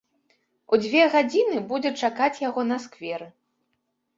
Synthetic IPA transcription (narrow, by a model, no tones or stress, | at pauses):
ud͡zʲvʲɛɣad͡zʲinɨbud͡zʲɛt͡ʂakat͡sʲjaɣɔnɐskvʲɛɾɨ